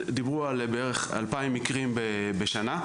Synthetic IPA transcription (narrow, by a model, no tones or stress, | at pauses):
d̪ibʁualbeeʁeχa̰lpaimːikʁimbe | beʃana